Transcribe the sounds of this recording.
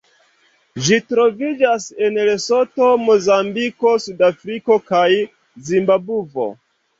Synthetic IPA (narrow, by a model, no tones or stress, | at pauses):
ʒitɾo̞vid͡ʒasenleso̞to̞mo̞zambiko̞sudafɾiko̞kaj | zimbabuvo̞̰